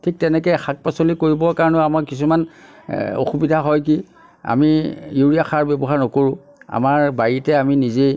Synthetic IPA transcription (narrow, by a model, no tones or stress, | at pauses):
tʰik̚tɛnɛkɛxʰak̚pasolikoɹibɔkaɹɔnɔamaɹkis̬uman | o̰xubidʱaɦɔjki | a̰mijuɹijaxaɹbɛbɔɦaɹnɔkoɹʊ̃ | a̰maɹbajitɛaminize